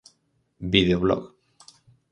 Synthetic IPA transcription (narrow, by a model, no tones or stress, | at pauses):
biðeoβlɔ̰ɣ